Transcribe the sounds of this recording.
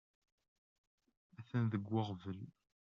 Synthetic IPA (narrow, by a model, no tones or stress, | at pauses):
æθənðəɡʷːɑʁvəl